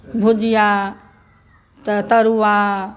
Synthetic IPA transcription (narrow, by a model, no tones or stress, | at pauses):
bʱud͡ʒija | t̪t̪əɾua